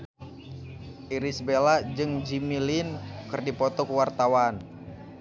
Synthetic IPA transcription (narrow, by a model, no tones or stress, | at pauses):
ʔiɾisbelad͡ʒɨŋd͡ʒimilinkɨrdipɔt̪ɔkuwart̪awan